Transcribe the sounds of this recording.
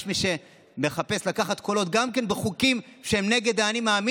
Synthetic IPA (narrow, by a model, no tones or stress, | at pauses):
ʃmiʃe̞ | me̞χape̞slakaχat̪ko̞lo̞t̪ɡamke̞nbeχukimʃehemne̞ɡe̞d̪aːnimaːmi